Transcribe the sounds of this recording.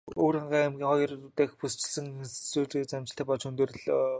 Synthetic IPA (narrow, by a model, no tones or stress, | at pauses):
oːɾaɴɢaːemɡʲiːŋχɔjɞ̆rt̪eːxpust͡ɕɪ̆ɮsɘ̆ŋst͡suːɮɡet͡samʲt͡ɕɪ̆ɬt̪ʰæːpɔɮt͡ɕɵnt̪ɘ̆rɘ̆ɮ